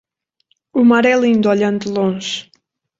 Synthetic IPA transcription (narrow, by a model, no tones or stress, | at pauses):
umaɾɛlˠĩnd̪ɔʎɐ̃nd̪ɨlˠõʒ